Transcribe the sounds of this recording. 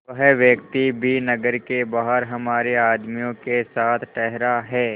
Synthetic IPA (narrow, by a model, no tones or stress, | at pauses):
ʋɐɦʋjɐkt̪ibʱinɐɡəɾkebaːɦəɾɦɐmaːɾeaːd̪mijõkesaːt̪ʰʈɛɦɾaɦɛː